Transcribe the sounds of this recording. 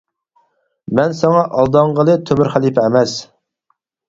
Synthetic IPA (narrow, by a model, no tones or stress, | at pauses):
mɛnsɛŋɑʔɑlˠd̪ɑŋʁəlˠɨt̪ʰøbɪɾχælipɛmɛs